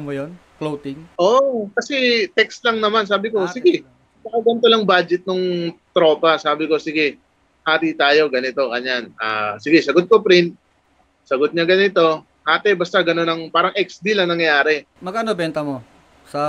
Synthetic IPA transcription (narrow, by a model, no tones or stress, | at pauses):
mojon | klowt̪ɪŋʔoʔkɐsɛt̪ɛkst̪lɐŋnɐmansaːbɪko̞sɪɡɛ | mɐkɐɡɛnt̪olɐŋbaːd͡ʒɛt̪̚noŋt̪ɾo̞ːpɐsaːbɪko̞sɪɡɛ | haːt̪it̪aːjo̞ɡɐnɪt̪o̞kɐɲanʔa̰ːsɪɡɛsɐɡot̪̚kopɾɪnt̪̚ | sɐɡot̪̚ɲaɡɐnɪt̪o̞ | haːt̪ɛbɐst̪aɡɐno̞nɐŋpaːɾɐŋʔɛk̚sd̪ilɐŋnɐŋjɐjaːɾɛ | mɐɡɐːnobɛnt̪ɐmo | sɐ